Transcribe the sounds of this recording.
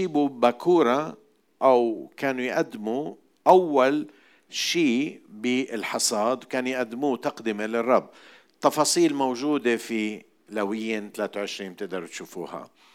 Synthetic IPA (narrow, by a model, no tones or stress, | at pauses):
iːbubakʰuːɾˤɑ | ʔawkaːnujʔad̪ːmu | ʔawːal | ʃiːbɪɪlħɑsˤɑːd̪wkaːnjʔad̪ːɪmuːt̪ɑqd̪ɪmelɪrˤːɑbː | t̪ːɑfɑːsˤiːlmowʒuːd̪efi | lawɪjːɪnt̪alaːt̪awʕɪʃɾiːnb̚t̪ɪʔd̪ɪɾt̪ʃuːfṵːha̰